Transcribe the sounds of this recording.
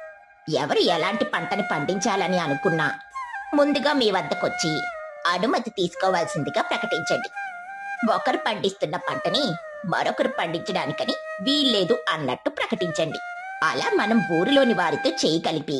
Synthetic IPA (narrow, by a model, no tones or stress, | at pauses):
ɛʋɐɾuɛlaːɳʈipɐɳʈɐnipɐɳɖiɲt͡ʃaːlɐniɐnukunːaːmund̪uɡaːmiːʋɐnd̪ɐkot͡ʃːiɐɽumɐt̪ːit̪iːsu̥kɔːʋaːlɐsind̪iɡaːpɾɐkɐʈiɲt͡ʃɐɳɖi | ʋɔkɐɾipɐɳɖist̪unːɐpɐɳʈɐni | mɐ̰ɾɔkɐɾipɐɳɖiɲt͡ʃɐɽaːnikɐniʋiːlːe̞ːd̪uɐnːɐ̰ʈːupɾɐkɐʈiɲt͡ʃɐɳɖi | ɐ̰laːmɐnɐmʋuːɾilo̞ːniʋaːɾit̪oːt͡ʃeːjɐkɐlipi